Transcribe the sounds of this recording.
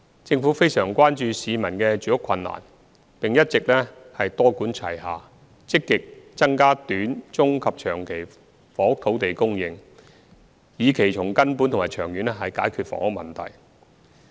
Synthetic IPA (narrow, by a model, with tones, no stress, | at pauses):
t͡sɪ˧ŋfuː˨˥fe˥jsœː˨˩ŋkʷwaː˥nt͡ʃyː˧siː˨˧mɐ˨˩nkɛː˧t͡ʃyː˨˥jʊ˥kʰɐ˧nːa̰ː˨˩n | pɪ˨ŋjɐ˥t̚t͡sɪ˨k̚lɛː˥hɐ˨jt̪ɔː˥kuː˨˥nt͡sʰɐ̰˨˩jɦaː˨ | t͡sɪ˥kːɪ˨k̚t͡sɐ˥ŋkaː˥t̪yː˨˥nt͡sʊ˥ŋkʰɐ˨p̚t͡ʃʰœː˨˩ŋkʰe˨˩j | fɔː˨˥hʊ˥k̚t̪ʰo˨˥wt̪e˨jkʊ˥ŋjɪ˨ŋ | jiː˨˧kʰe˨˩jt͡sʰʊ˨˩ŋkɐ˥npuː˨˥nt̪ʰʊ˨˩maː˨jt͡ʃʰœː˨˩ŋjyː˨˥nɛ˥ɦɐ˨jkaː˨˥jkʰyː˨˧t̚fɔ̰ː˥hʊ˥k̚mɐ̰˨nt̪ʰɐ̰˨˩j